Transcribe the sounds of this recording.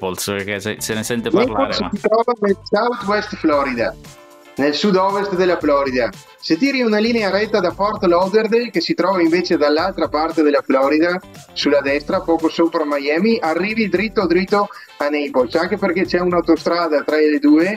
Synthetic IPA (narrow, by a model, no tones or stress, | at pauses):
polskessenesɛnt̪enɛjpossit̪ɾɔvanelsawt̪wɛst̪flɔɾid̪a̰ | nelsud̪ɔvest̪d̪elaflɔɾid̪a | set̪iɾiunalineaɾɛt̪ːad̪afɔɾt̪lɔwd̪eɾd̪ekesit̪ɾɔvaiɱvet͡ʃed̪alːalt̪ɾapaɾt̪ed̪elaflɔɾid̪a | sulad̪ɛst̪ɾapɔkosopɾamajɛmiʔarːivid̪ɾit̪ːod̪ɾit̪ːo | anɛjpolsaŋkepeɾket͡ʃɛunawt̪ost̪ɾad̪at̪ɾaled̪ue